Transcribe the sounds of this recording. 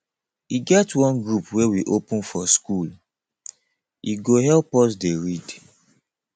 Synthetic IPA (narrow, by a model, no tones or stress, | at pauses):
iɡɛtwɔ̃nɡɹupwewiʔopũnfɔskul | iɡoɦɛlpɔs̬deɹid